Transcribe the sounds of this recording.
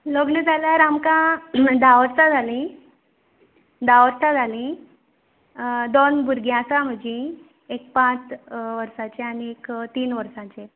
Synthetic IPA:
loɡɳəd͡zʱaljaɾamkãd̪aʋəɾt͡sad͡zʱalĩ | d̪aʋəɾt͡sad͡zʱalĩ | d̪onbuɾɡjãsam̤əd͡ʑĩ | ek̚pãt͡sʋəɾsat͡ɕeañiekt̪iːnʋəɾsãt͡ɕe

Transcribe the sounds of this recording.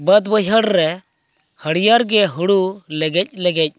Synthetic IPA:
bəd̪bəjɦəɽɾɛ | həɽijaɾɡɛɦuɽulɛɡɛc̚ˀlɛɡɛc̚

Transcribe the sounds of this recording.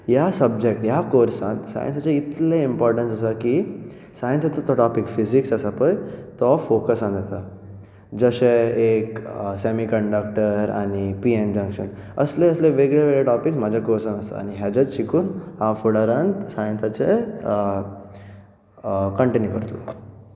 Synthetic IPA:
jasəbd͡ʑek̚ʈjakoɾsãnt̪sa̰jə̰nsat͡ɕeit̪leimpɔɾʈənsasaki | sajənsat͡sat̪ɔʈɔpikfiziksəsapəjt̪ɔfokəsãnd̪et̪a | d͡zəɕeeksemikəɳɖək̚ʈəɾa̰ɽ̃ipiend͡ʑə̃ŋkɕən | əsleəsleʋeɡɭeʋeɭeʈɔpiksmad͡ʑʱakoɾsanəst̪a̰a̰ɽ̃iɦjad͡ʑat͡sɕikuːnɦafuɽəɾãnt̪sajənsat͡se | kəɳʈenjukəɾt̪lɔ̰

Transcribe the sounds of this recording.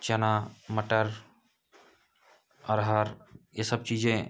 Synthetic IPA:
t͡ʃɐnaməʈəɾ | ɐɾɦaɾjesəb̚t͡ʃiːd͡ʒẽː

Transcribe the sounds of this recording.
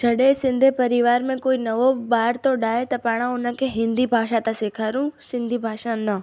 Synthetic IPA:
d͡ʒʱɐɗesɪ̃nd̪ʱepɐɾɪʋaːɾmẽkoːinɐʋobaːɾt̪oɗaːet̪ɐpaːɽ̃ãʊnə̃keɦɪ̃nd̪ibʱaːʃat̪asekʰaːɾũsɪ̃nd̪ʱibʱaːʃãnɐ

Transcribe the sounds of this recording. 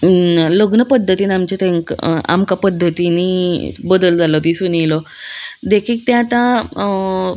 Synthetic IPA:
ləɡnəpəd̪ʱːət̪iːnamt͡ɕet̪eŋka̰mkapəd̪ʱːət̪inibəd̪əld͡zalɔt̪isunilɔ | d̪ekʰiːk̚t̪ẽat̪ã

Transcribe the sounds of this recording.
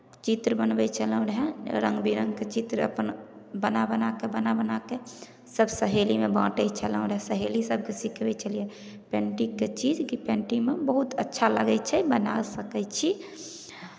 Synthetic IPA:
t͡ʃit̪ɾəbənbɛt͡ʃʰələɾɦɛ̃ɾə̃ŋɡbiɾə̃ŋɡket͡ʃit̪ɾə̰pən | bənabənakebənabənake | səbsəɦelimebã̰ʈət͡ʃʰələ̃ɾɛ̃səɦelisəb̚ʱkesikbɛt͡ʃəlie | pɛ̃ɳʈikːet͡ʃid͡ʒkipɛ̃ɳʈimebəɦut̪ətːʃʰaləɡɛt͡ʃʰɛbənasəkɛt͡ʃʰi

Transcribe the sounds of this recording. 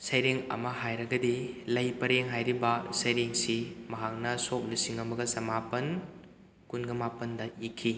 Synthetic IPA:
sɐjɾeŋɐ̰mɐɦajɾɐɡɐdilɐjpɐɾeŋɦajɾibɐsɐjɾeŋsimɐɦak̚nɐsok̚lisiŋɐmɐɡɐsɐmapɐn | kunɡɐmapɐndɐikʰːi

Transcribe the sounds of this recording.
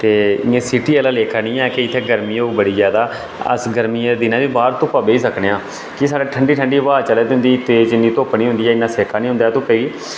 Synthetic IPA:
t̪eːɪẽːsɪʈiːɛːlaːleːkʰaːnĩːɛːkeɪt̪ʰːeːɡəɾmĩːobəɽiːzjaːd̪aː | ə̰sɡəɾmiːd̪ɪnãːʋiːbaːɾt̪õːpaːbeːiːsəkneːãː | kɪs̬aːɖaːʈʰəɳɖiːʈʰəɳɖiːʋaːt͡ʃəleːd̪ʊ̃nd̪iːt̪eːd͡ʒɪnːiːt̪oːpniːɦʊ̃nd̪iːɛːɪnːaːseːkʰaːnĩːɦʊ̃nd̪aːt̪õːpəːiː

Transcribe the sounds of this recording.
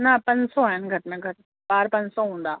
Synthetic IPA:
nãpɐ̃ɲsɔaːɦɪnɡʱɐɾʈmẽɡʱɐɾ | baːɾpɐ̃ɲsɔɦũːn̆d̪aː

